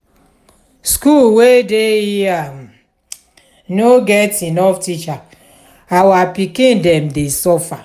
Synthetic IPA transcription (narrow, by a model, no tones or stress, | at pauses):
skulwedejia | noɡɛtinɔftit͡ʃa | awapikĩndɛmdesɔfa